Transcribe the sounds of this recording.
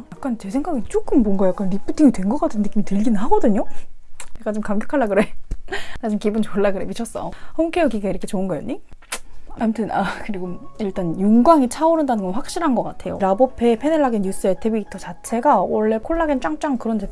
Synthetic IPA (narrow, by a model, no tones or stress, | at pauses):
jak͈̚ant͡ɕesʰe̞ŋɡaɡit͡ɕ͈ok͈ɯmbwʌŋɡajak͈anɾip͈ut͈imitwe̞nɡʌk͈atʰɯndɯk͈imitɯʎɡinɯnɦaɡʌdɯɲo | ak͈ant͡ɕomkamɡjʌkʰaɭːaɡɯɾenad͡ʑɯnkibɯnt͡ɕoɭːaɡɯɾebit͡ɕʰʌs͈ʌ̰hʌŋkʰejokiɡaiɾʌkʰet͡ɕoɯnɡʌja̰ɲɲi | amtʰɯnakɯɾiɡoiɭt͈anjuŋɡwaŋit͡ɕʰaoɾɯndanɯnɡʌnɸwak̚ɕ͈iɾɦanɡʌk͈atʰe̞jo̰ɾabopʰe̞pʰeneɭːaɡinːjus͈ɯetʰebiitʰʌt͡ɕat͡ɕʰe̞ɡawʌɭːe̞kʰoɭːaɡint͡ɕ͈aŋt͡ɕ͈aŋkɯɾʌnd͡ʑe